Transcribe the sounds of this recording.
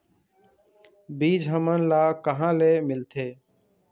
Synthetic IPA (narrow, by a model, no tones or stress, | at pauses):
biːd͡ʒʱɦəmənlaːkəɦãːleːmɪlt̪ʰeː